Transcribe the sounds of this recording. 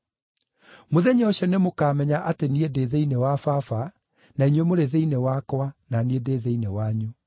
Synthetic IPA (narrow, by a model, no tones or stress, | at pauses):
moðɛɲɛɔɕɔnemokamɛɲaʔateniedeðeinewafafa | naiɲwemoɾeðeinewakɔananiedeðeinewaɲu